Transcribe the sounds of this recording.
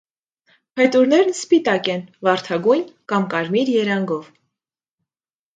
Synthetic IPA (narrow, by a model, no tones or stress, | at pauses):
pʰɛt̪uɾnɛɾnspit̪ɑkɛnvɑɾt̪ʰɑɡujnkɑmkɑɾmiɾjɛɾɑŋɡɔv